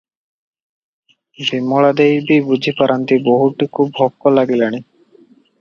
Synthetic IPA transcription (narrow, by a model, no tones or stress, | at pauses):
bimːɔɭad̪ejbibud͡ʒʱipaɾʔant̪iboɦuʈukʰubɦɔkːɔlaɡilani